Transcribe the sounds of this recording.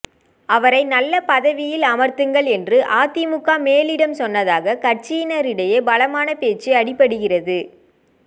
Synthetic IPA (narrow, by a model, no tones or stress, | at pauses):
ɐʋɐɾɐɪnɐlːɐpɐðɐʋɪjɪlɐmɐɾt̪ɯŋɡɐɭɛndrɯʔaːt̪ɪmʊkːaːmeːlɪɽɐmsɔnːɐðaːɣɐkɐrt͡ʃijɪnɐɾɪɽɐjeːbɐlɐmaːnɐpeːt͡ʃːɯɐɽɪpːɐɽɯɣɪrɐðɯ